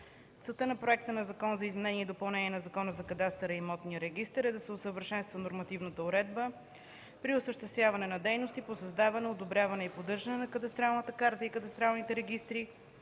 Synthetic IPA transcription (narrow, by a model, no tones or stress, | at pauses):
t̪sɛlˠt̪ənɐpɾoɛk̚t̪ənɐzɐkɔnzɐizmɛnɛniɛd̪opɐlˠnɛniɛnɐzɐkɔnəzɐkɐd̪ast̪ɛɾəimɔt̪nijəɾɛɡ̟ist̪ɛɾɛd̪ɐsɛʊsəvəɾʃɛnst̪vənoɾmɐt̪ivnət̪əʊɾɛd̪bə | pɾiʊsəʃt̪ɛst̪vʲjavɐnɛnɐd̪ɛjnost̪iposɐzd̪avɐnɛod̪obɾʲjavɐnɛipod̪ɤɾʒɐnɛnɐkɐd̪ɐst̪ɾalˠnət̪əkaɾt̪əikəd̪ɐst̪ɾalˠnit̪ɛɾɛɡ̟ist̪ɾi